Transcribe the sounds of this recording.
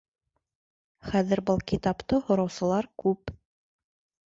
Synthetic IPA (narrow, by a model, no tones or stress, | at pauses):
χæðɘ̆ɾbɤlˠkit̪ɑpt̪ɤhŏɾɑwsɤ̆lˠɑɾkʉp